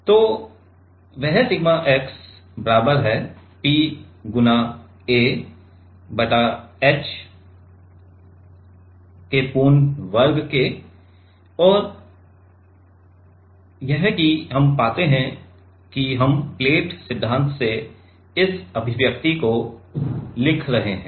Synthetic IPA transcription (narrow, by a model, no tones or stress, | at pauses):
t̪oː | ʋɛɦsɪɡmaʔɛks | bɐɾaːbəɾɦɛː | piːɡʊna | eː | bɐʈaɛt͡ʃ | kepuːnʋɐɾɡke | ɔːɾ | jɛɦkiɦɐmpaːt̪eɦɛ̃ | kiɦɐmpleːʈsɪd̪ʱːãːnt̪ʰse | ɪsɐbʱɪʋjək̚t̪iko | lɪkʰɾɐɦeɦɛ̃